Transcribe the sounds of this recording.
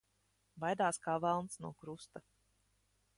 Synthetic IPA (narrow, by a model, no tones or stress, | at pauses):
vajd̪aːskaːvalˠnsnuɔkɾust̪a